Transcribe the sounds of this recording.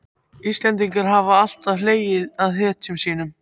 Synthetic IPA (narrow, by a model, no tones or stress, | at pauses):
ist̪lɛnt̪̬iŋkaɾ̥ɦavaal̥t̪aðleːjɪðaðθɛt̪sɛmsiːnʏm